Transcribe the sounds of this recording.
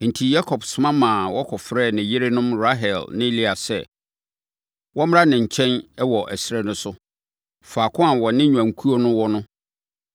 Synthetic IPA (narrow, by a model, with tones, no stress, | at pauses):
n̩˨tʰi˨ja˦kʰɔ˨bsʊ˨mã˦mãː˨wɔ˦kʰɔ˨fɾɛ˦˨nɪ̃˨jɪ˦ɾe˦nʊ̃˦mɾa˦ɦɛ˨lnɪ̃˦li˦a˨sɛ̰˦˨ | wɔ˦m˦a˦nɪ̃˨ɲ̩˨t͡ɕʰɛ̃˦nɛ˦wɔ˨ʔɛ˨sɪɾɛ˦nʊ̃˦sʊ˦ | faː˨kʰʊ̃˦a˨wɔ˨nɪ̃˦ɲᶣ˨ã˨ŋ˨kʰu˦o˦nʊ̃˦wɔ˦nʊ̃˦